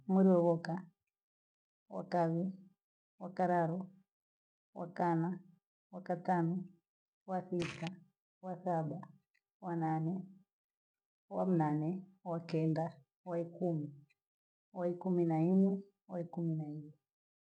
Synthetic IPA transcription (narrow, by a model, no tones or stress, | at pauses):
muɾiɔβɔka | wa̰kaβi | wakaɾaɾɔ | wa̰kana | wakatanɔ | wasita | wasaɓa | wananɛ | wam̩nanɛwakɛnda | waikumi | waikuminaimɛ | waikuminaimɛ